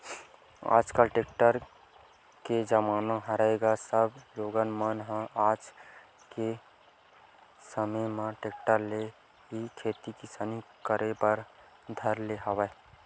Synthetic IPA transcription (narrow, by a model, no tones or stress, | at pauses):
a̰d͡ʒkəlʈek̚ʈəɾ | ked͡ʒəmanaɦəɾaeɡasəbloɡənmənɦə̃ad͡ʒ | ke | səməmẽʈek̚ʈəɾle | ɦikʰet̪ikisanikəɾepəɾ | d̪ʱəɾleɦəbə